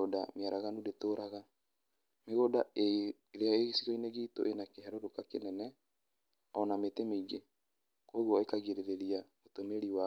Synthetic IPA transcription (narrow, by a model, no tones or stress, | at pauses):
oda̰meaɾaɣanudetoɾʔaɣa | meɣodae | ɾeaeɣisiɣoineɣeito̰ʔenakeɦɛɾoɾokakenɛnɛ | ɔnametemeiɡe | kwoɣwɔekaɣeɾeɾeɾia | otomeɾiwa